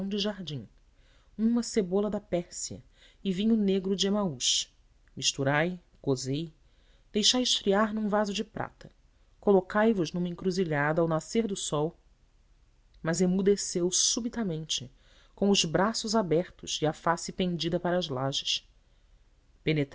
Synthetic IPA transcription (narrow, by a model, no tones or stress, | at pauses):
w̃d͡ʒɪʒaɾd͡ʒĩŋ | ũmɐsebolɐd̪ɐpɛɾsiɐ̰ | ɪvĩɲʊneɡɾʊd͡ʒɪemauʃ | miʃt̪uɾaj | kozej | d̪̥ejʃajɪʃfɾiaɾnũvazʊd͡ʒɪpɾʔa̰t̪ɐ | kolokajvʊznũmɐĩŋkɾuziʎad̪ɐawnaseɾd̪ʊsɔw | mɐzemud̪esewsubit̪ɐmẽnt͡ʃɪ | kõw̃ʊzbɾasʊzabɛɾt̪ʊzɪɐfasɪpẽŋd͡ʒid̪ɐpaɾɐːzlaʒɪʃ | penet̪